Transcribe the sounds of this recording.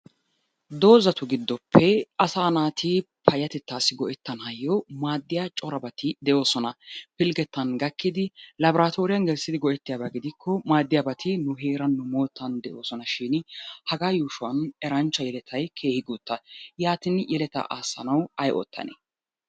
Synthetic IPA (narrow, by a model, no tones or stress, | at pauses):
d̪o̞ːzɐt̪ʊɡɪd̪ːɔpʰːɛʔɐsaːnaːt̪ʰɪpʰɐjɐt̪ɛt̪ːaːsːɪɡɔʔɛt̪ːɐnɐjːɔmaːd̪ːɪjat͡ʃʼɔɾɐbɐt̪ɪd̪ɛʔo̞ːsɔnɐpɪlɡɛt̪ːɐnɡɐkːɪd̪ɪlɐbɾaːt̪o̞ːɾɪjɐnɡɛlsɪd̪ɪɡɔʔɛt̪ːɪjaːbɐɡɪd̪ɪkʰːɔmaːd̪ːɪjabɐt̪ɪnʊɦeːɾɐnːʊmo̞ːt̪ːɐnd̪ɛʔo̞ːsɔnɐʃiːnhɐɡaːjuːʃʊɐnɛɾɐnt͡ʃːɐjɛlɛt̪ʰɐjkʰe̞ːhɪɡut̪ːɐjaːt̪ɪnjɛlɛt̪ɐ̰ʔaːsːɐ̰nɐwɐjʔɔ̰t̪ʰːɐ̰nḛ